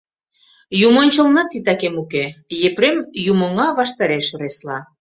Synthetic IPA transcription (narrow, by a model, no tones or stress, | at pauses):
jumonʲt͡ɕəlnɑt̪it̪ɑkemukejepɾemjumŏŋɑβɑʃt̪ɑɾeʃoɾeslɑ